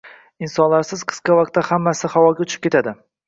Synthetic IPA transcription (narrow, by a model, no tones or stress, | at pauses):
ɪnsɒnlaɾsɪzqʰɨ̥sqɑvaq̚t̪ːahamːasɪhawɒɡʲaʊt͡ʃʰɪ̥p̚kʲe̞t̪ʰad̪ɪ